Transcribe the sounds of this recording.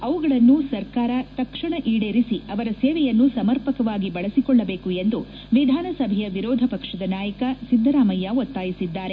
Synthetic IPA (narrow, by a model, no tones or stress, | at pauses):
ɐʋuɡɐɭɐnːusɐɾkaːɾɐt̪ɐkʂɐɳɐʔiːɽeɾisiɐʋɐɾɐseːʋɛjɐnːusɐmɐɾpɐkɐʋaːɡibɐɭɐsikɔɭːɐbeːkue̞nd̪u | ʋid̪ʱaːnɐsɐbʱɛjɐʋiɾɔːd̪ʱɐpɐkʂɐd̪ɐnaːjɐkɐsid̪ʱːɐɾaːmɐjːaot̪ːaːjisid̪ːaːɾe̞